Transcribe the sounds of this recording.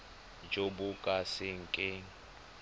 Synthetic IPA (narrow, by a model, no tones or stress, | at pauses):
d͡ʒobʊkʼasɪŋ̩kʼɪ